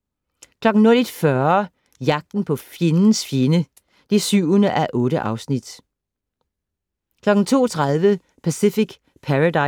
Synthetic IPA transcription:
kʰlɒ̽ɡ̥n̩nolid̥fɶɐ | jɑ̈ɡ̥̚d̥n̩pʰɒ̽fje̝nn̩sfje̝nə | d̥esyʊ̰ənəʔæʔɔ̽ːɾəʔɑ̈ʊsnid̥ | kʰlɒ̽ɡ̥n̩t͡sʰo̝̰ːt͡sʰʁaðˠʋə | pʰæsifiɡ̥ | pʰæʁadɑ̈

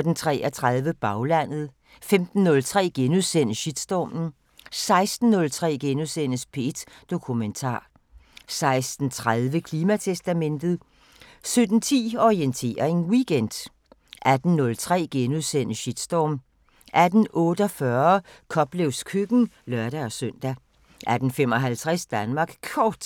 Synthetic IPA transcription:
d̥n̩t͡sʰʁɛ̰ːæɐt͡sʰʁað̞ˠʋəb̥ɑ̈ʊlæn̰ð̞̩ˠ | femd̥n̩ːɔ̽lt͡sʰʁɛ̰ːɡ̥enuðˠsen̰əɕid̥sd̥ɒːmn̩ | sɑ̈ɪsd̥n̩ːɔ̽lt͡sʰʁɛ̰ːɡ̥enuðˠsen̰əspʰe̝̰ːd̥d̥o̝kʰument͡sʰɑ̰̈ː | sɑ̈ɪsd̥n̩t͡sʰʁaðˠʋəkʰliːmæt͡sʰesd̥æmen̰d̥ð̞̩ˠ | sød̥n̩t͡sʰḭːɒʁient͡sʰe̝̰ːɐe̝nwiɡ̥en̰d̥ | ʔæd̥n̩nɔ̽lt͡sʰʁɛ̰ːɡ̥enuðˠsen̰əɕid̥sd̥ɒːm | ʔæd̥n̩ɔ̽ːɾəɒ̽fɶɐkʰɒ̽b̥leʊ̰skʰøɡ̥n̩ | lɶɐɾ̥æɒ̽søn̰d̥æ | ʔæd̥n̩fem̰ɒ̽ɦælt͡sʰʁɛsd̥ænmɑ̈ːɡ̥kʰɒːd̥

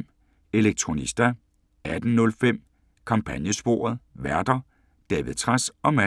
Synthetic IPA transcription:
e̝leɡ̥̚t͡sʰʁo̝nisd̥æ | æd̥n̩nɔ̽lfem̰ | kʰɑ̈mpʰænjəsb̥o̝ːɐ̰ð̞̩ˠʋæɐd̥ɐ | d̥ɛːʋið̩ˠt͡sʰʁasɒ̽mæ

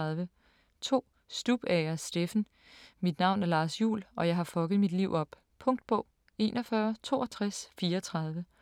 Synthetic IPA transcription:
ðˠʋə | t͡sʰo̝̰ː | sd̥ub̥ɛɐsd̥efn̩ | mid̥nɑ̈ʊ̰næɐlɑ̈ːsjṵːlɒ̽jɑ̈ɪɦɑ̈fɒ̽ɡ̥ð̞̩ˠmid̥liʊɒ̽b̥ | pʰɔ̽ŋ̰d̥̚b̥ɔ̽ʊ̰ | e̝̰ːnʔɒfɶɐt͡sʰo̝̰ːɒ̽t͡sʰʁasfiːɐɒt͡sʰʁɑ̈ð̞ˠʋə

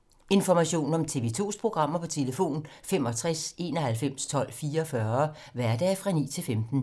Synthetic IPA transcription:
e̝nfɒmæɕo̝̰ːn̩ɒ̽mt͡sʰe̝ːʋe̝ːt͡sʰo̝̰ːspʰʁo̝ɡ̥ʁɑ̈m̰ɐpʰɒ̽t͡sʰe̝ləfo̝̰ːnfem̰ɒ̽t͡sʰʁase̝̰ːnɒhælfem̰st͡sʰɒ̽l̰fiːɐːfɶɐʋæɐd̥ɛːfʁɑ̈nḭːt͡sʰe̝lfemd̥n̩

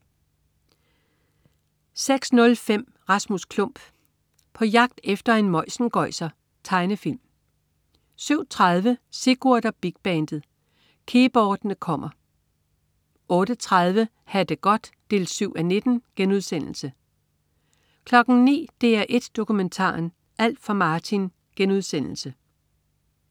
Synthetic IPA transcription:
seɡ̥snɔ̽lfem̰ | ʁɑ̈smuskʰlɔ̽m̰b̥ | pʰɒ̽jɑ̈ɡ̥̚d̥efd̥ɐe̝nmɒɪsn̩ɡ̥ɒ̽ɪ̰sɐ | t͡sʰɑ̈ɪnəfil̰m | syʊ̰t͡sʰʁað̞ˠʋəse̝ɡ̥uɐd̥ɐb̥iɡ̥̚b̥ɛnd̥ð̩ˠ | kʰe̝ːb̥ɒːd̥nəkʰɒ̽m̰ɐ | ɔ̽ːɾ̥ət͡sʰʁað̞ˠʋə | hæd̥əɡ̥ɒ̽d̥ːe̝ːlsyʊ̰æne̝d̥n̩ɡ̥enuð̞ˠsen̰l̩sə | kʰlɒ̽ɡ̥n̩nḭːd̥e̝æɐʔe̝d̥ːo̝kument͡sʰɑ̰̈ːn | ʔæl̰d̥fɑ̈mɑ̈ːt͡sʰin | ɡ̥enuð̞ˠsen̰l̩sə

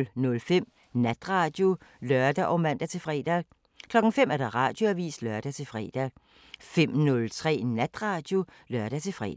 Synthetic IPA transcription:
lnɔ̽lfem̰ | næd̥ʁɑ̈ːd̥jo̝lœɐd̥æʔɒ̽mæn̰d̥æt͡sʰe̝fʁɛ̰ːd̥æ | kʰlɒ̽ɡ̥ŋ̩fem̰æɐd̥ɑ̈ʁɑ̈d̥jo̝æʋḭːsd̥lɶɐd̥æt͡sʰe̝lfʁɛ̰ːd̥æ | fem̰nɔ̽lt͡sʰʁɛ̰ːnæd̥ʁɑ̈ːd̥jo̝ | lɶɐd̥æt͡sʰe̝fʁɛ̰ː

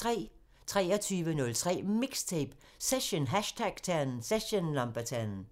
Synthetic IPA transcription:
ʁɛ̰ː | t͡sʰʁɛ̰ːɐt͡sʰyːʋənɔ̽lt͡sʰʁɛ̰ːmiɡ̥st͡sʰeb̥ | seɕonɦæɕtʰæɡ̥t͡sʰæn̩seɕənlɑmb̥ɐt͡sʰænn̩

